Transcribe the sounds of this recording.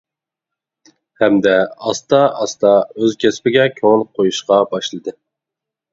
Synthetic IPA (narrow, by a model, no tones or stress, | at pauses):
hɛmd̪ɛɑst̪ɑɑst̪ɑøzkʲʰɛspɪɡʲɛkʲʰøŋlˠqʰːojuʃqɑbɑʃlˠɨd̪ɨ